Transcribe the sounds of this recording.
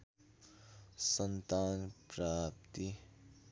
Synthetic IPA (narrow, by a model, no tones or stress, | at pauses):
sənt̪aːnpɾaːp̚t̪i